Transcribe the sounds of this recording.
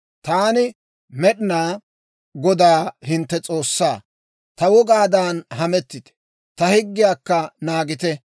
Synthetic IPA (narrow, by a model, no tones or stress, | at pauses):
t̪aːnɪ | mɛɗɪnaː | ɡɔd̪aːhɪnt̪ːɛt͡sʼo̞ːsːaː | t̪ɐwɔɡaːd̪aːnhɐmɛt̪ːɪt̪ɛ̥ | t̪ɐhɪɡːɪjaːkːɐnaːɡɪt̪ɛ